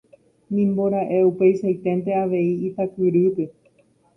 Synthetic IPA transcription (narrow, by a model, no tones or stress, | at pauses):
nĩmboɾaʔeupe̞jʃajt̪e̞nt̪̬e̞aʋe̞iːt̪akɨɾɨp̪e